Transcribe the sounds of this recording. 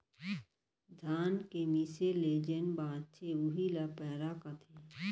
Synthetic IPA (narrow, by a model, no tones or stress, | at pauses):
d̪ʱaːnkemiseleːd͡ʒenbãːt͡ʃʰeuɦilapɛːɾakat̪ʰe